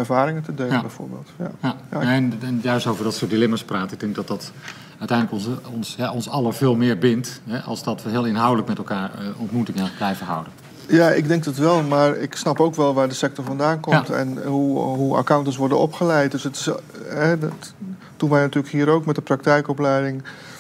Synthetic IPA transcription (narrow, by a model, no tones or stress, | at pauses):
ɛrvaːɾɪŋəntədeləbɛjvo̰ːɹbḛːlˠtjajjanɛnɛnjœɥstowvərdɔtsʊːtdilɪmaspraːtɪɡ̚dɛŋɡ̚dɔt̚dɔt | œtɛjndləkɔnɔnsjaɔnsɑlˠəv̥ɪːlˠmɪːɹbɪntɦɛʔɑ̰lˠsdɔtʋəɦɪəlˠɪnɦawdələkmɛtɛlˠkaːɹəɔntmutɪŋəblɛjvəɦwdən | jaɪ̰ɡdɛŋk̚dɔtʋɛlˠmaːrɪ̰ksnɑpowkʋɛlˠʋaːɹdəsɛk̚tɔɹvɔndaːnkɔmtɛ̰nɦuɦua̰kawntəs̬ʋɔɹdənɔpχəlɛjt̚dɵsətɪsɦɛ | d̥unʋɛjnatyːləkɦiːɾowkmɛtdəprak̚tɛjkɔplɛjdɪŋ